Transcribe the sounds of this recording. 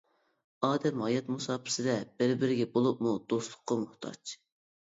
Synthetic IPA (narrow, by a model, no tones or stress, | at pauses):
ɑːd̪ɛmɦɑjɑt̪musɑːpʰɪ̥sɪd̪ɛb̥ɪɾbɪɾɪɡʲɛbolˠup̚mud̪̥oslˠʊqːɑmʊht̪ʰɑ̰t͡ʃ